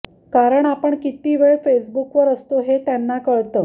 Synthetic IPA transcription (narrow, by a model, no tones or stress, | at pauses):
kaɾəɳapəɳkit̪iːʋeɭfesbukʋəɾəst̪oɦet̪janːakəɭt̪əː